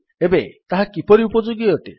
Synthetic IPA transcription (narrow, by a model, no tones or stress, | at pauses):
ebet̪aɦakipɔɾiupɔd͡ʒoɡiɔʈe